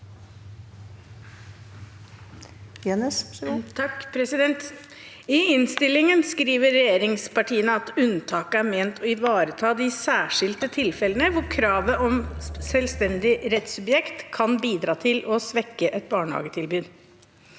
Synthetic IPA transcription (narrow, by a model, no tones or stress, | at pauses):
t̪ʰɑkpʰɾɛsɪd̪ɛnt̪ | ɪɪnst̪ɪlːɪŋənskɾiːʋəɾɛjeːɾɪŋspɑʈʰiːənəɑt̪ʉnt̪ʰɑːkəæɾmeːnt̪ʰɔɪʋɑːɾət̪ʰɑːd̪ɪsæːʂɪlt̪ət̪ʰɪlfɛlənəʋʊɾkʰɾɑːʋəʔɔmsɛlst̪ɛnd̪ɪɾɛt̪sʉbjɛkt̪kʰːɑnbiːd̪ɾɑːt̪ʰɪlɔsʋɛkːəʔɛt̪̚bɑːɳəhɑ̰ːɡət̪ʰɪlbyːd̪